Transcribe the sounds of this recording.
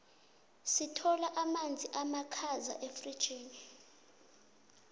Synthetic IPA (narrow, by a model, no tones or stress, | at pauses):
sitʰɔlaʔamand͡zʱiʔamakʰaza̰ʔefri̥t͡ʃʼiːni